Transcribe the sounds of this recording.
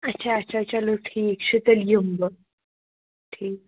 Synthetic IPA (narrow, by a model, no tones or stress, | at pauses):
ətːɕʰaːt͡ɕat͡ɕaloʈʰiːkɕut̪əljumbə | ʈʰiːk̚